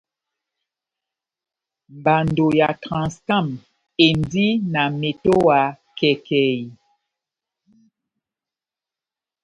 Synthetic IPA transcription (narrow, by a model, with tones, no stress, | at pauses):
mba˨ndo˨ja˨tʁã˨ska˦˨m | e˨ndi˦na˨me˨to˦wa˨ | kɛ˨kɛ˨i˨